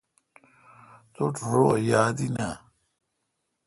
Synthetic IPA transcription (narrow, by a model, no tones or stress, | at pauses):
t̪oʈ͡ʂʰoɾojaːd̪ina